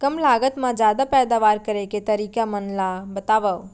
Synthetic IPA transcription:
kɐmlaːɡət̪mãd͡ʒjaːd̪apɛːd̪aːʋaːɾkɐɾeket̪ɐɾiːkamənlabɐt̪aːʋə

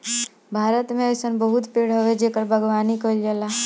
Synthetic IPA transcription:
bʱaːɾət̪mẽəjsənbəɦut̪peɽɦəʋed͡ʒekəɾbʱəɡʋaːnikəld͡ʒəla

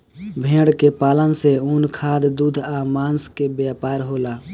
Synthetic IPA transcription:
bʱẽːɽkepaːlənseunkʰaːd̪d̪uːd̪ʱamaːnskebjaːpaːɾɦoːlaː

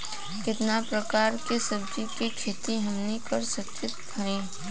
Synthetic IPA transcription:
kɪt̪napɾɐkaːɾkesɐb̚d͡ʒikikʰeːt̪iɦɐmnikɐɾsɐkɪt̪bʰʱɐɾẽː

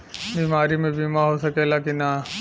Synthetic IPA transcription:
biːmaːɾimẽbiːmaɦosɐkelakina

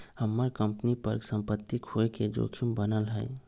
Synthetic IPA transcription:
həmːəɾkəmpnipəɾɡsə̃mpət̪ːikʰoeked͡ʒo̰kʰimbənəlɦə̰ɪ

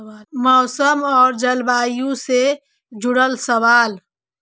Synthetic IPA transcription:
mɔʊsəmɔːɾd͡ʒəlbajũse | d͡ʒuɽəlsəʋaːl

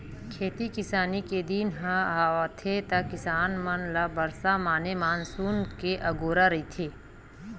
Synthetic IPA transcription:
kʰeːt̪ikɪsaːniked̪inɦãaːat̪ʰet̪ɐkɪsaːnmɐnlabɐɾsamaːnemaːnsuːnkeʔɐɡoːɾaɾɐit̪ʰeː

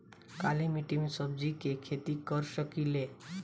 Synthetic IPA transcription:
kalimiʈimesəb̚d͡ʒikekʰet̪ikəɾsəkile

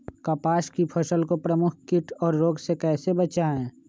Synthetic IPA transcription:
kɐpaːʃkipʰɐʃəlkopɾəmʊkʰkɪʈʰɔːɾːoːɡsekɛːsebɐt͡ʃaɛ̃ː

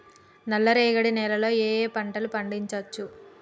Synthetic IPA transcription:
nɐlːɐɾɛːɡɐɽinɛːlɐlo̞ːeːpɐɳʈɐlupɐɳɖiɲt͡ʃɐt͡ʃːu

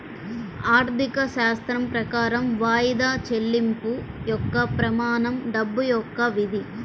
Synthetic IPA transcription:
aːɾt̪ʰikɐʃaːst̪ɾɐmpɾɐkaːɾɐmʋaːjid̪aːt͡ʃe̞lːimpujɔkːɐpɾɐmaːnɐmɖɐbːujɔkːɐʋid̪ʱi

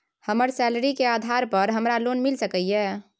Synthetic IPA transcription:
həməɾsɛləɾikead̪ʱaɾpəɾɦəmɾalonmilsəkəijɛ

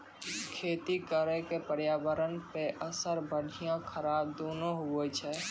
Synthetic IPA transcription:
kʰeːt̪ikəɾɛkepəɾjaːbəɾənpeʔəsəɾbəɽʱijãkʰəɾaːb̚d̪oːnoɦuɛt͡ʃʰɛ

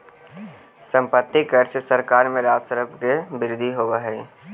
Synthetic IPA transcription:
sə̃mpət̪ːikəɾsesəɾkaːɾmẽɾaːd͡ʒsəɾəpkebɪɾɪd̪ʱiɦoːwaɦɛː

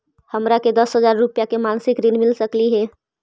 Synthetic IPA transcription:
həmɾaked̪əsɦəzaːɾːʊpjakemaːnsɪkɾɪnmɪlsəkliɦɛː

